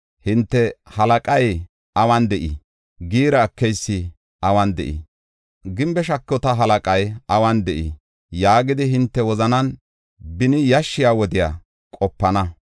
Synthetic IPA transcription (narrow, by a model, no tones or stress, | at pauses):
hɪnt̪ːɛhɐlɐkʼɐj | ɐwɐnd̪ɛʔi | ɡiːɾɐːkːɛjsːɪ | ʔɐwɐnd̪ɛ̰ʔḭ | ɡɪmbɛʃɐkːɔt̪ɐɦɐlɐkʼɐjɐwɐnd̪ɛʔḭ | jaːɡɪd̪ɪɦɪnt̪ːɛwɔzɐnɐn | bɪnɪjɐʃːɪjaːwɔd̪ɪja̰ | kʼɔpːɐnɐ